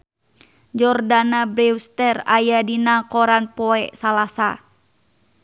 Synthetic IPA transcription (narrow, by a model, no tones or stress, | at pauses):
d͡ʒɔrdanabɾɛwst̪ɛra̰jadinakɔɾanpɔɛsalasa